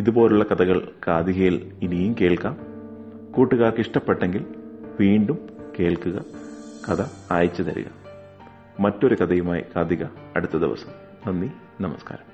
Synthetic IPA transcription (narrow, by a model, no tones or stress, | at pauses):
iðubo̞ːluɭːɐkɐðɐɣɐɭkaːd̪iɣɐjilinijumke̞ːɭkaːm | kuːʈːuɣaːrkiʂʈɐpːe̞ʈːe̞ŋɡilʋiːɳɖumke̞ːɭkuɣɐkɐðɐaːjit͡ɕːɐt̪ɐɾṵɣɐ̰mː | ɐtːo̞ɾukɐd̪ɐjumaːjḭkaːd̪iɣɐɐɽut̪ːɐd̪ḭʋɐ̰sɐ̥m | nɐnːi | nɐmɐska̰ːɾɐm